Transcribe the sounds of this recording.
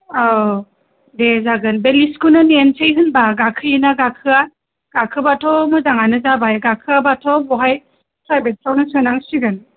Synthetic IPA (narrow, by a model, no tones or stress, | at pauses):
a | dezaɡɯnbeliskʰunɯnensejɦɯnbaɡakʰɯjinaɡakʰɯa | ɡ̥akʰɯbatʰɔmɯzaŋanɯzabajɡakʰɯabatʰɔbɔɦaj | sɾajbet̚sawnɯsɯnaŋsiɡɯn